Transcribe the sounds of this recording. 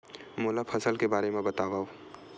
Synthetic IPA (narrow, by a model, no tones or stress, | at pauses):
moːlapʰɐsəlkebaːɾemẽbɐt̪aːʋaːo